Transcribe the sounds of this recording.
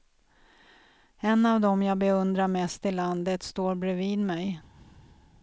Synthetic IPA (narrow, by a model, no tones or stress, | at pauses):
ɛnːavd̪ɔmjɑːɡbɛɵnd̪ɾaɾmɛst̪ɪlːand̪ət̪st̪oːɾbɾɛviːd̪mɛj